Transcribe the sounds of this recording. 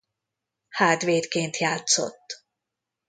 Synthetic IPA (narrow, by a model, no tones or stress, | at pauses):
haːd̪veːt̪keːnt̪jaːt̪so̰t̪ː